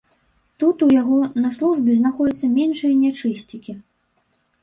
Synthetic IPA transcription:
t̪ut̪ujaɣɔnɐslˠuʐbʲɛznaxɔd͡zʲɐt̪sːɐmʲɛnʂɨjɐnʲat͡ʂɨsʲt͡sʲikʲi

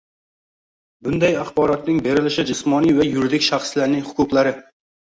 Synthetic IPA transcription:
bʊnd̪ajɑχbɒɾɒt̪nɪŋbe̞ɾɪlɪʃɪd͡ʒɪsmɒnijvajʊɾɪd̪ɪkʲʃaχslaɾnɪŋhʊ̥kʰʊqlˠaɾɪ

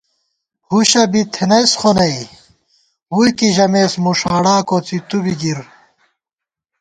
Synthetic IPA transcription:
huɕɐbit̪ʰenɐjsχonɐj | hujkiʑɐmeːsmuʂaːɽaːkot͡sit̪ubiɡiɾ

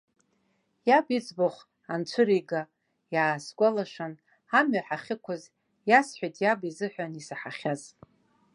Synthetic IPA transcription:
jabit͡sʰboχʷ | ant͡ʃʷʰʊɾiɡa | jaːsɡʷʼalaʂan | amɥaħaχʲɪkʷʰaz | jasħʷajtʰʼjabizɨħʷᶣanisaħaχʲaz

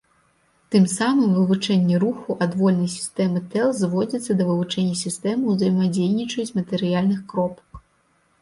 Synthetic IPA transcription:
t̪ɨmsamɨmvɨvut͡ʂɛnʲːɛɾuxuʔad̪vɔlʲnɐjsʲi̥st̪ɛmɨt̪ɛlˠzvɔd͡zʲit̪sːɐd̪ɐvɨvut͡ʂɛnʲːɐsʲist̪ɛmɨwzɐjmad͡zʲejnʲit͡ʂɐjut͡sʲmɐt̪ɛɾɨjalʲnɨxkɾɔpɐk

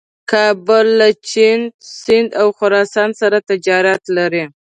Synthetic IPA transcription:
kʰɑbʊlːat͡ʃinsɪnd̪awxʊɾɑsɑnsaɾat̪ɪd͡ʒɑɾat̪laɾi

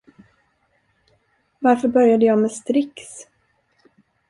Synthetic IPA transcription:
vaɾfœɾbœɾjad̪əjɑːmɛst̪ɾɪks

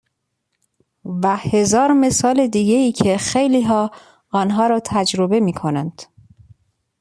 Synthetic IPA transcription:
væhe̞zɒːɾme̞sɒːle̞d̪iːɟe̞iːcʰexejliːɦɒː | ɒːnɦɒːɾɒːt̪ʰæd͡ʒɾobe̞miːkʰo̞nænd̪̥

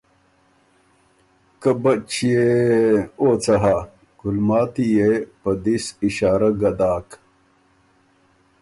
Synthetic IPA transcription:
kɐbɐt͡ɕije | oːt͡sɐɦa | ɡ̥ulmaːt̪ijepɐd̪isiɕaːɾɐɡɐd̪aːk

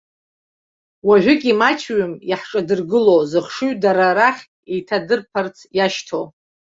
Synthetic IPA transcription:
waʕʷʊkʲʼimat͡ʃʰɥʏmjaħʈ͡ʂʼadɨrɡɨlowzɨχʂuɥdaɾaɾaχʲ | ejtʰadɨrpʰart͡sʰjaʃtʰo

